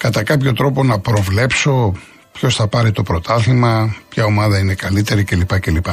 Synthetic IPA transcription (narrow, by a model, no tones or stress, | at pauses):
kɐt̪ɐkɐpço̞t̪ɾo̞po̞nɐpɾo̞vle̞pso̞ | pço̞sθɐpɐɾit̪o̞pɾo̞t̪ʰɐθimɐpçɐo̞mɐðɐine̞kɐlit̪e̞ɾice̞lipɐce̞lipɐ